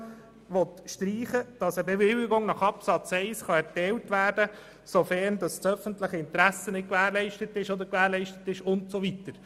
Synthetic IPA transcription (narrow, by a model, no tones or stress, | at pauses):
ʋɔt̪ʃtɾiːχəd̥ɑsəbeʋɪlɪɡʊŋnɑχɑpsɑt͡sɛɪsχɑɛɾtɛːltʋæːɾdə | sofɛɾndɑst͡sœfəntləχəɪntɾæsənɪt̚kʋæːɾlɛɪʃtətɪʃɔd̪əɾkʋæːɾlɛɪʃtətɪʃʊntsoʋitəɾ